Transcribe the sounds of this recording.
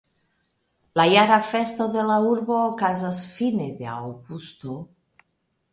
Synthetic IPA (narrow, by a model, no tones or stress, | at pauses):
lajaɾafe̞st̪o̞d̪e̞lauɾbo̞ːkazasfined̪ea̰wɡust̪o̞